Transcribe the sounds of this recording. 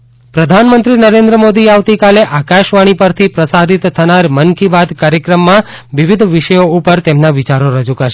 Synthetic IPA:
pɾəd̪ʱanmənt̪ɾinəɾẽnd̪ɾəmod̪iaʋt̪ikaleʔakaʃʋaɽ̃ipəɾt̪ʰipɾəsaɾit̪ʰːənaɾmənkibad̪kaɾjəkɾəmːãʋiʋid̪ʱʋiʃəjoupəɾt̪emnaʋɪt͡ʃaɾoɾəd͡ʒukəɾʃe

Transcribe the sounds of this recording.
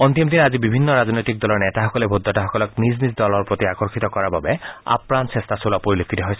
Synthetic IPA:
ɔnt̪imd̪inazibibʱinːɔɹaznɔjt̪ik̚d̪ɔlɔɹnɛt̪aɦɔkɔlebʱud̪ʱːɔtaɦɔkɔlɔkniznizd̪ɔlɔɹpɹot̪iakɔɹkʰit̪ɔkɔɹababɛa̰pɹansest̪ʰasolapoɹilokʰːit̪ɔɦojsɛ

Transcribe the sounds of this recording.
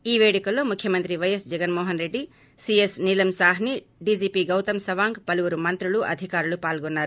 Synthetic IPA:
iːʋeːɽikɐlːoːmukʰjɐmɐnt̪ɾiʋɐjɐsd͡ʒɛɡɐnmoːɦɐnɾeɖːi | siesnilɐmsaːɦni | ɖiːd͡ʒiːpiɡɐwt̪ɐmsɐʋaːŋɡpɐluʋɐɾumɐnt̪ɾuɭuʔɐ̰d̪ʱikaːɾulupaːlɡonːaːɾu

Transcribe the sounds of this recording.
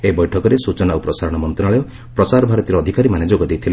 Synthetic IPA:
ebɔjʈʰɔkɔɾesut͡ʃɔnaupɾɔsaɾɔɽ̃ɔmɔnt̪ɔɾaɭɔjɔ | pɾɔsaɾɔbʱaɾɔt̪iɾɔːd̪ʱikaɾimaned͡ʒoɡɔd̪ejt̪ʰile

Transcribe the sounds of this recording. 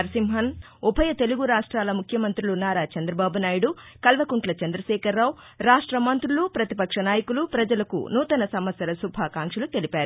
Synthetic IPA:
ɐɾsimɦɐn | upʰɐjɐt̪e̞luɡuɾaːʂʈɾaːlɐmukʰjɐmɐnt̪ɾulunaːɾaːt͡ʃɐnd̪ɾɐbaːbunaːjiɽukɐlʋɐkuɳʈlɐt͡ʃɐnd̪ɾɐʃɛːkɐɾːaːw | ɾaːʂʈɾɐmɐnt̪ɾulupɾɐt̪ipɐkʂɐnaːjɐkulupɾɐd͡ʒɐlɐkṵnuːt̪ɐnɐsɐmʋɐsjɐlɐsubʱaːkaːŋkʂɐlut̪e̞lipaːɾu

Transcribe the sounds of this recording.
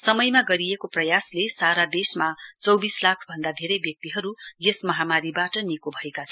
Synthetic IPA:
sʌmʌjmaɡʌɾijekoprʌjaslesaɾad̪esmat͡sʌwbislakʰbʱʌnd̪ad̪ʱeɾʌjbjʌk̚t̪iɦʌɾujesmʌɦamaɾibaʈʌnikobʱʌekat͡sʰʌn

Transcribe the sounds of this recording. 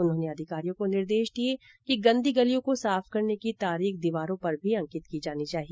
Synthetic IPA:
ʊnɦõːneɐd̪ʱɪkaːɾijõkonɪɾd̪eːʃd̪ie | kiɡɐ̃nd̪iɡɐlijõkosaːfkɐɾnekit̪aːɾiːxd̪iʋaːɾõpɐɾbʱiɐ̃ŋkɪt̪kid͡ʒaːnit͡ʃaːɦi

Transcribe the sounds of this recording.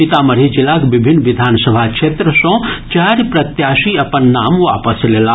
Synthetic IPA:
pit̪aməɾid͡ʒilakbibʱinːʋid̪ʱansəbʱakt͡ʃʰet̪ɾəsɔ̃t͡ʃaɾpɾɐt̪jasiəpənːamʋa̰pəslela

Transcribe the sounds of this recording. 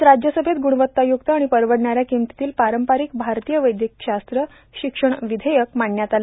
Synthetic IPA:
ɾad͡ʑjəsəbʱet̪̚ɡuɽʋət̪ːajuk̚t̪əaɽ̃ipəɾʋəɽɳaɾjakimt̪i̥t̪iːlpaɾəmpaɾiːk̚bʱaɾt̪ijəʋəjd̪jək̚ɕast̪ɾə | ɕikʂəɳ̃ʋid̪ʱejək̚maɳːjat̪ala

